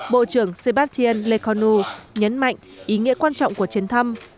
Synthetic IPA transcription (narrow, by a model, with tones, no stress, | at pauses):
ɓo̰˧˨t͡ɕɨ˧˩əŋse˧ɓaː˦˥t̚t͡ɕi˧ə˧nle˧kɔ˨˧nu˧ɲə˨˦nma̰˧˨jŋ̟ʔi˨˦ŋḭ˧˥əkwaː˧nt͡ɕɔ̰˧˨wŋ͡mku˧˩ət͡ɕi˨˦ənt̪ʰə˧m